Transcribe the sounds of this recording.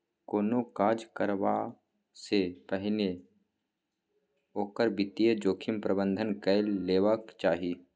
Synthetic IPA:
koːnokaːd͡ʒkəɾʋa | sepəɦne | oːkəɾbɪt̪ijed͡ʒoːkʰɪmpɾəbə̃nd̪ʱənkəɪlːeːʋəkt͡ʃaːɦiː

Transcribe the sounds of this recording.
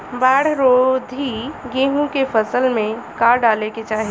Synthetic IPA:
baːɽ̤ɾoːd̪ʱiɡẽːɦũkefʰəsəlmẽkaːɾɖaːleket͡ʃaːɦi

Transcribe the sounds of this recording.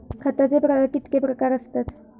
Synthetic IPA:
kʰat̪ad͡zepɾakit̪kepɾəkaɾəst̪at̪

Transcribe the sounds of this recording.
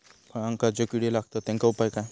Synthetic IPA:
pəɳaŋkad͡zokiɽilaɡt̪ɔt̪ɛ̃ŋkaupajkaj

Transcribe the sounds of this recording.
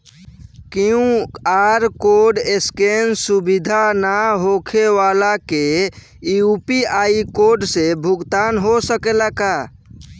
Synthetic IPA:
kiũaɾkoɖeskensubid̪ʱanaɦokʰeʋalake | iupiaikoɾɖsebʱuɡt̪anɦosəkelaka

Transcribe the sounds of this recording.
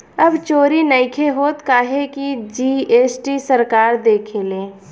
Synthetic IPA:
ɐbt͡ʃoːɾinəɪkʰeɦoːt̪kaːɦekid͡ʒiːeːsʈisəɾkaːɾd̪eːkʰeleː

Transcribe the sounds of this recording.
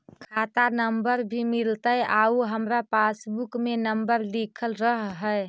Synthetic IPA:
kʰat̪anəmbəɾbʱimilt̪əjauɦəmɾapasbukmenəmbəɾlikʰəlɾəɦɦəe

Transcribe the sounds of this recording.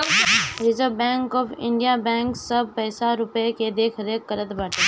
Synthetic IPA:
ɪzəbɛ̃ːŋkɔːfɪ̰̃ɳɖijabɛ̃ːŋksɐb̚pɛːsaɾʊpeked̪eːkʰəɾeːkːəɾət̪baːʈe

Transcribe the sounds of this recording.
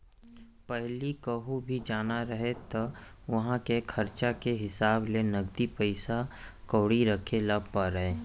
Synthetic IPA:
pɛɦlikəɦubʱid͡ʒaːnaɾɐɦet̪o | ʋɐɦãkekʰɐɾt͡ʃakeɦɪsaːblenɐɡd̪ipəɪsakoːɽiɾɐkʰeləbpəɾeː

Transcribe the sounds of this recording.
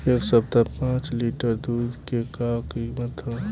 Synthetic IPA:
eːksəb̚t̪apãːt͡ʃliʈəɾd̪uːd̪ʱkekakimət̪ʰã

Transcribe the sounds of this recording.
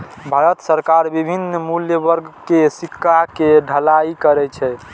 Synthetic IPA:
bʱaɾət̪səɾkaɾbibʱinmuljəbəɾɡkesikʰːakeɖʱəlaikəɾɛt͡ʃʰɛ

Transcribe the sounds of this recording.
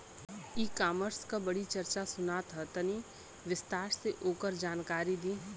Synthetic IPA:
iːkaːməɾskabɐɽit͡ʃɐɾt͡ʃasʊnaːt̪ɦət̪ɐni | ʋɪst̪aːɾseʔoːkəɾd͡ʒaːnkaːɾid̪iː

